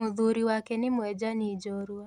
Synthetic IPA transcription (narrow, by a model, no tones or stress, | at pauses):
ʊðuɾiwakɛnɪmʊɛd͡ʒanid͡ʒɔɾwa